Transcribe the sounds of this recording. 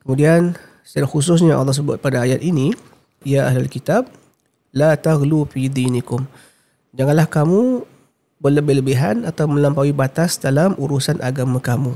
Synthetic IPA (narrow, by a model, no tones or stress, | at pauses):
kəmudian | saɾaxus̬ʊs̬ɲaʔɑ̰lːɑhs̬əbʊt̪̚padaːjat̪̚ini | ijaʔaɦlalkit̪ab̚ | lat̪aɣlufid̪iːnikʊm | d͡ʒaŋanlahkamu | bərləbɪhləbɪɦanat̪awmə̃lampawibat̪asdalamʔuɾusanʔaɡamãkamũ